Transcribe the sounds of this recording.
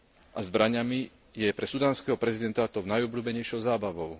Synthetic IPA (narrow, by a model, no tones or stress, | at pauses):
ʔazbɾaɲami | jɛpɾɛsud̪aːnskɛɦɔpɾɛzid̪ɛnt̪aːt̪ɔʊnajɔbluːbɛɲɛjʃɔʊzaːbaʋɔʊ